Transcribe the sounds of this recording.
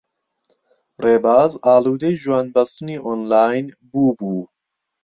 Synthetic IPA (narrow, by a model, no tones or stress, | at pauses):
reːbaːzaːluːd̪ejʒuwaːnbɐst̪ɨniːʔonlaːjn | buːbuː